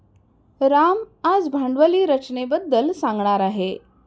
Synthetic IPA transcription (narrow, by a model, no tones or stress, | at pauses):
ɾamad͡zbʱaɳɖʋəliːɾət͡ɕnebəd̪ːəlsãŋɡɳaɾaɦe